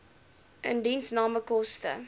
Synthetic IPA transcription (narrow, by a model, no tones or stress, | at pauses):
ʔəndinsnɑːməkɔstə̰